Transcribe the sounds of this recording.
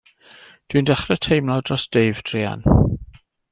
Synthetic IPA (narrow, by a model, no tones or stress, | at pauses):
d̥windɛχrətʰejmladrɔsd̥ejvd̥ʰriːa̰n